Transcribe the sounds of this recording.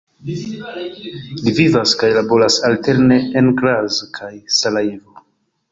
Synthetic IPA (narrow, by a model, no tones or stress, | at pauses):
livivaskajlabo̞ɾasalte̞ɾne̞ːnɡɾazkʰajsalaivo